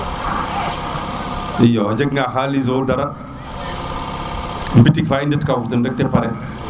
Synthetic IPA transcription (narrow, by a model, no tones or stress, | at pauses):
ijod͡ʒeɡŋaɦalizodaɾa | mbitikfaindətkavut̪əndək̚tepaɾɛ